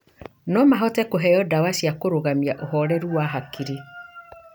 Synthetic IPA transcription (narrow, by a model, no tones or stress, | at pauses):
nɔmaɦɔtɛkoɦɛjɔdawasiakoɾoɣamiaʔoɦɔɾɛɾuwaɦakiɾe